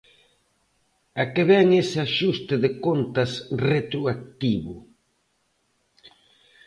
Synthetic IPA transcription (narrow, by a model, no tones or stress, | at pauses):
ɐkeβɛŋesaʃust̪ɪðɪkont̪ɐsret̪ɾuak̚t̪iβʊ